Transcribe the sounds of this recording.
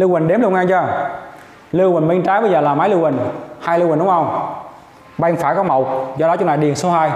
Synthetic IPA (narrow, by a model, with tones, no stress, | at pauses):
lɨ˧wï˨˩ŋɗe˨˦mlwŋʔaː˧ŋt͡ɕɔː˧˩ | lɨ˧wï˨˩ŋ̟ɓi˧ŋt͡ɕaː˨˦jɓə˧jzəː˨˩laː˨˩maː˨˦lɨ˧wï˨˩ŋ̟haː˧jlɨ˧wï̟˨˩ɗʊ˨˦ŋ͡mʔə˧wŋ͡m | ɓa˧ŋfaː˧˩jkɔ˨˦˥mo˨˩wk͡p̚zɔ˧ɗɔ˨˦ʊ˧˦ŋ͡mnaː˨˩ɗi˨˩ənso˨˦haː˧j